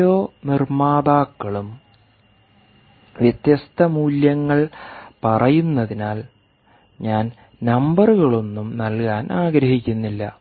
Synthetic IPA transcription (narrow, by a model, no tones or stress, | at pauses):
oːnirmaːðaːkːɐɭum | ʋjɐt̪jɐst̪ʰɐmuːljɐŋːɐɭpɐrɐjunːɐðinaːl | ɲaːn | nɐmbɐruɣɐɭo̞nːumnɐlkaːnaːɡɾɐɦikʲːunːilːɐ